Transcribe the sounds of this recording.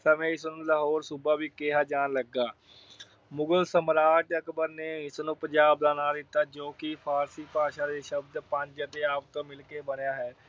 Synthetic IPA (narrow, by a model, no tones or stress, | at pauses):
səmẽɪsnũːləɦoːɾsʊbaːbiːkeɦaːd͡ʒaːnləɡːaː | mʊɡəlsəmɾaːʈəkbəɾneːɪsnũːpəd͡ʒaːbd̪aːnaːd̪ɪt̪ːaːd͡ʒoːkɪpʰaːɾsiːpaːʃãːd̪eːʃəb̚d̪pə̃ɲd͡ʒət̪eːaːpt̪õːmɪlkeːbənjaːɦɛː